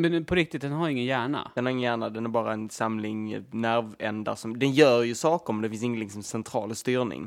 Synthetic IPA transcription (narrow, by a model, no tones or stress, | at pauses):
mɛnpʰɔɾɪkt̪ɪt̪̚d̪ɛnhaɾjɵɪŋːənjæːɳa̰ɛnaɾɪŋːənjæːɳad̪ɛnæɾbɑːɾaɛnsamlɪŋnæɾvɛnd̪a̰ʂɔmd̪ɛnjœːɾjɵsɑːkəɾmɛnd̪ɛfɪns̬ɪŋːənlɪksɔmsɛnt̪ʰɾɑ̰ːlst̪yːɾnɪ̰ŋ